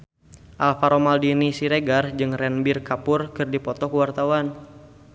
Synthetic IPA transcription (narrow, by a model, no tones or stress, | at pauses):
ʔalfaɾɔmaldinisiɾeɡard͡ʒɨŋrɛnbirkapʊrkɨrdipɔt̪ɔkuwart̪awan